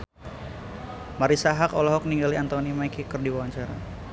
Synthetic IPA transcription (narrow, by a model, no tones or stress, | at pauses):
maɾisaɦakɔlɔɦɔk̚niŋɡaliant̪onimajkikɨrdiwawaɲt͡ʃaɾa